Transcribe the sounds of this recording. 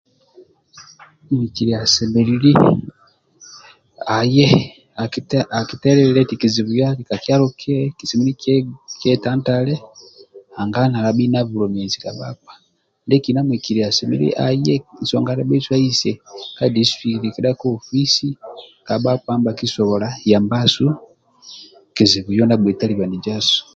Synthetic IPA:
mi˨ki˨ɾi˨a˨sɛ˨mɛ˨lili˦ | a˨jɛ˦ | a˨a˨ki˨tɛ˦ɾɛɛlɛ˦ti˨ki˨zi˨βu˨ja˦ti˨ka˨ki˦a˦ɾɔ˦kʰɛ˦ki˨si˨mi˦ɾi˦kkɛ˦ta˦nta˦lɛ˦ha˨ŋɡa˦na˨la˨ɓi˦na˦vu˨lɔ˨mɛ˨zi˨ka˨ɓa̰˦k̚wḁ˨ | ndɛki˨na˦mwi˨ki˨ɾia˨sɛmḭ˦ɾḭʔajɛ˦n̩sɔŋɡa˦ɾɛ˦ɓɛ˦swa˦i˦sɛkadi˦sfi˨ɾikɛ˦ɗa˦kɔː˦fi˦sika˨ɓa˦kwambaki˦sɔ˨βɔlaja˨mba˦su˦ | ki˨zi˨βu˨jɔ˦na˦bwɛ˨ta˦li˨βa˨ni˨d͡ʒa˦su̥

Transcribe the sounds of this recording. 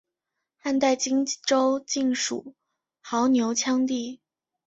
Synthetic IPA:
xa˥˧nt̪a˥˩ɪt͡ɕi˥ŋʈ͡ʂo˥ʊt͡ɕi˥˩ŋʂṵ˨˩˦ | xɑ˧˥ʊnjo˧˥ʊt͡ɕʰjɑ˥ŋt̪i˥˩

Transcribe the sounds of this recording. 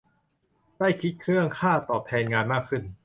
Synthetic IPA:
da˥˩jkʰi˦˥t̪̚kʰɾɯ˥˩əŋkʰaː˥˩t̪ɔː˨˩p̪̚ʰɛː˧nŋaː˧nmaː˥˩kʰɯ˧˥˩n

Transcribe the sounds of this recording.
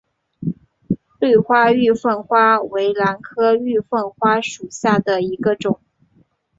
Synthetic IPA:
t̪we˥˩ɪxwa˥y˥˧fə˥˩nxwa˥we˧˥ɪla˧˥nkʰɤ˥y˥˧fə˥˩nxwa˥ʂu˨˩ɕja˥˩d̪ə˩i˧˥ɡə˧ʈ͡ʂʊ˨˩˦ŋ

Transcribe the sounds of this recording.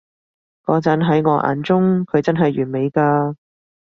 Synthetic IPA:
kɔː˨˧˥t͡sɐ˨˥nɦɐ˨˥jŋɔː˨˧˥ʔa̰ː˨˧nt͡sʊ˥ŋkʰɵ˨˧ɥt͡sɐ˥nɦɐ˨jɥyː˨˩me˨˧jkaː˧

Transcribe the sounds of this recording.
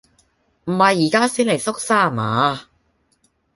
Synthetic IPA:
m̩˨˩hɐ˨jːiː˨˩kaː˥siː˥nle˨˩jsʊ˥k̚saː˥˩˨maː˨˧˦

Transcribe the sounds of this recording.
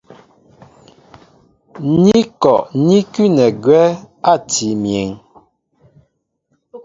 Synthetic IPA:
ni˦kɔ˨ʔni˦kʉ˦nɛ˨ɡɥɛ˦ | a˦˨ti˨˦mje˨ŋ

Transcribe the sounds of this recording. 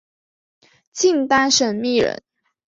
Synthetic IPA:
t͡ɕʰi˥˩ŋt̪a˥nʂə˨˩nmi˥˩ɻə̰˧˥n

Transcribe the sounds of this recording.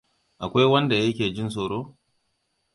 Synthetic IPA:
ʔa˨kʷa˦jwɐ˦nda˨jɐ˦kʲeː˨d͡ʒɪ˦nsoː˨ɽoː˦

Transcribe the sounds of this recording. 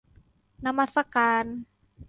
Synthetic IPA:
na˧ma˧sa˧kaː˧n

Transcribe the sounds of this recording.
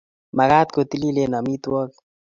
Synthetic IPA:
ma˨ɣaː˦t̪̚ko˨t̪i˦li˦le˦na˨mi˦t̪wɔ˦k

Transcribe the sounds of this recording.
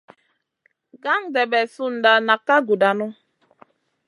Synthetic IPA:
ɡa˦ŋ˦dɛ˨bɛ˨su˦n̩˨da˨na˨kːa˦ɡu˨da˨nʊ˦

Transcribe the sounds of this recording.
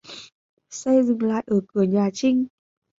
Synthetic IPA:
sə˧jzɨ̰˧˩˨ŋla̰ː˧˨jʔəː˧˩kɨ˧˩əɲaː˨˩t͡ɕï˧ŋ̟

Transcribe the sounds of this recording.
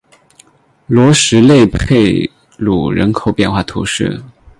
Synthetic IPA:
lwɔ˧˥ʂɻ̩˧˥le˥˧ɪpʰe˥˩ɪ | lṵ˨˩ɻə̰˧˥nkʰo˨˩ʊpjɛ˥˧nxwa˥˩t̪ʰṵ˧˥ʂɻ̩̰˥˩

